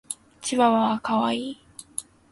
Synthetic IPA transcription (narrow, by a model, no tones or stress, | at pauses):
t͡ɕiβaβakaβaiː